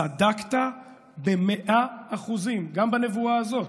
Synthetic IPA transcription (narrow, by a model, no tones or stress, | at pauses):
adakt̪a | be̞meʔaaχuzimɡambane̞vuaːzo̞